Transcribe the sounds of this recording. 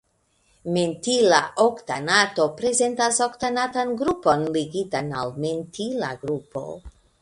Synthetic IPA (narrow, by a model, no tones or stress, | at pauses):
me̞ntilaʔoktanato̞pɾe̞ze̞ntasoktanatanɡɾupo̞nliɡitana̰lme̞ntʰila̰ɡɾupo̞̰